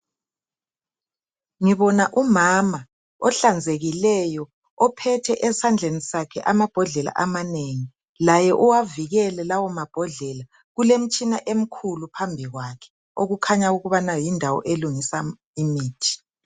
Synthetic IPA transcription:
ŋiβɔnaʔumama | ɔɬand͡zʱeɣilɛjɔ | ɔpʰɛtʰɛʔɛsand͡ɮʱenisakʰɛʔamab̥ʱɔɮɛla̰ʔamaneŋi | lajɛʔuwaviɣɛlɛlawɔmab̥ʱɔɮɛla | ɣulem̩t͡ʃʼinaʔem̩kʰulupʰambʱiɣwakʰɛ̥ | oɣukʰaɲauɣuβanajindʱawɔ̰ʔeluŋisa | imiːtʰi̥

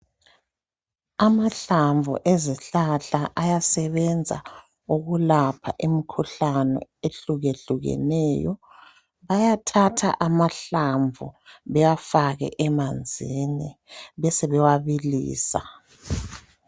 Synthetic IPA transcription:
amaɬaɱvʱṵʔeziɬaɬaʔajasɛβɛnd͡zʱa̰ | uɣulapʰa̰ʔimikʰuɬanɔ̰eɬuɣeɬuɣɛ̰nɛːjɔ | βajatʰatʰa̰ʔamaɬaɱvʱṵβɛjafaɣɛ̰ʔɛmand͡zʱiniβɛsɛβɛwaβilḭːsa̰

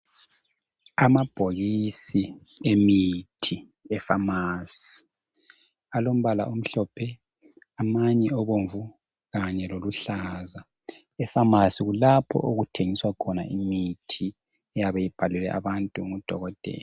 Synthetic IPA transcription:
amab̥ʱoɣisiemitʰi | ɛfamaːsi̥ | alom̩βala̰ʔum̩ɬɔpʰɛ | amaɲɛɔβoɱvu | ɣaɲɛloluɬaza | ɛfamasiɣulapʰɔ̰ʔoɣutʰeŋiswakʰɔna̰imitʰi | ɛjaβejib̥ʱalulɛ̰ʔa̰βantʼuŋud̥ʱɔ̰ɣɔd̥ʱɛ̰ːla

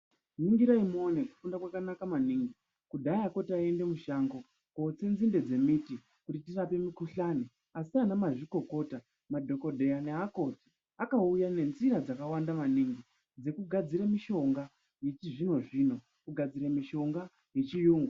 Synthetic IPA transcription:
niŋɡiɾaimo̞neku̥fundakwakanakamaniŋɡi | kudʱaako̞tiae̞nde̞muʃaŋɡo̞ | kot͡senzinde̞d͡ze̞miti | kutitirape̞mikuɬane | asianamaʐiko̞ko̞ːta | madʱo̞ko̞dʱe̞aneako̞ti̥ | akaujane̞nziɾad͡zakawandamaniŋɡi | d͡ze̞kuɡʱad͡ziɾamiʃo̞ŋɡa | jet͡ʃiʐino̞ʐiːno̞ | kuɡʱad͡ziɾamiʃo̞ŋɡa | je̞t͡ʃijuːŋɡwa

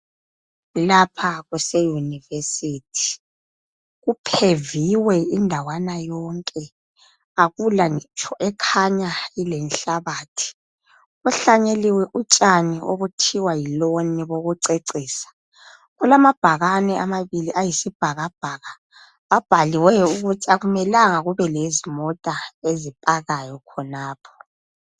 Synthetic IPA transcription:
lapʰaɣusejunivesiːtʰi̥ | ɣupʰeviwɛindʱawanajɔŋkʼɛ | aɣulaŋɛt͡ʃʰʼɔʔɛkʰaɲailɛnɬaβaːtʰi̥ | uɬaɲeliwɛʔut͡ʃʼaniʔoβutʰiwajiloniβoɣuǀeǀiːsḁ | ɣulamab̥ʱaɣanɛamaβiliʔajisib̥ʱaɣab̥ʱaːɣa | βab̥ʱaliwɛuɣutʰaɣumɛlaŋaɣuβɛlezimɔtʼaezipʼaɣajɔkʰɔnaːpʰɔ̥

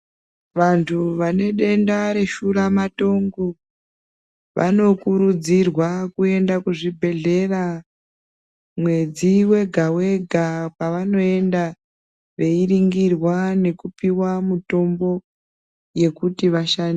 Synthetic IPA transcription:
ʋantʰuʋane̞ɗe̞ndaɾe̞ʃuɾamato̞ŋɡo | ʋʔa̰no̞kuɾud͡zirwakue̞ndakuʐibʱe̞ɮe̞ra | mwe̞d͡ziwe̞ɡʱawe̞ɡʱapaʋano̞e̞nda | ʋe̞iriŋɡirwane̞kupiwamuto̞mbo̞ | je̞kutiʋaʃani

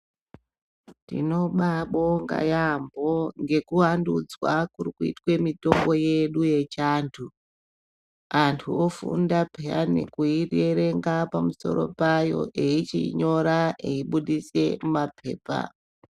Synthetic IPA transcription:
ndḭno̞ɓaɓo̞ŋɡa̰jambo̞ŋɡe̞kuwandud͡zwakuɾikuḭtwe̞mito̞ŋɡo̞je̞ɗuje̞t͡ʃaːntʰu | antʰuofṵndapʰeane̞̰kuireɾe̞ŋɡapamuso̞̰ɾo̞̰pajo̞̰ʔe̞it͡ʃḭɲo̞ɾaeiɓuɗise̞mapʰe̞ːpa̰

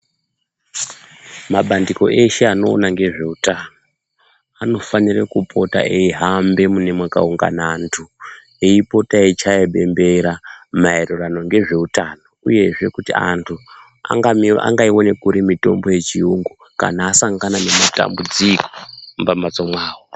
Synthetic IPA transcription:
maɓandiko̞̰ʔe̞ʃe̞ano̞̰ːnaŋɡe̞ʐe̞utano | ano̞fanirekupʰo̞ta̰ʔeiɦambe̞mune̞mwaka̰uŋɡa̰naːntʰu | eipo̞tait͡ʃaeɓe̞mbe̞ɾamaerurano̞ŋɡe̞ʐe̞utano̞uje̞ʐe̞kutia̰ntʰu | a̰ŋɡaa̰ŋɡaiwo̞ne̞kuɾimito̞̰mbo̞je̞t͡ʃiuŋɡu | ka̰naːsaŋɡanane̞mata̰mbud͡ziko̥mbamat͡somwaːwo

